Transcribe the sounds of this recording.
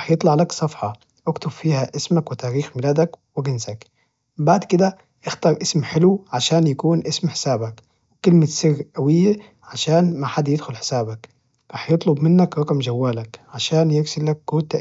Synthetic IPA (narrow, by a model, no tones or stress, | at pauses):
ħjɨt̪ˤlɑʕlaksˤɑfħɑ | ʔakt̪ʊbfiːhaʔɪsmakwɪt̪aːɾiːxmɪlaːd̪akwɪɡɪnsak | baʕd̪kɪd̪a | ʔɪxt̪ɑːɾˤʔɪsmħɪluʕaʃaːnjakuːnʔɪsmħɪ̥saːbak | wɪkɪlmɪsɪɣːʔawɪjːa | ʕaʃaːnmaħad̪ːjɪd̪xʊlħɪ̥saːbak | ɾɑːħjɨt̪ˤlʊbmɪnːakɾˤɑqmd͡ʒawːaːlakʕaʃaːnjɪɾsɪlːakːuːt̪a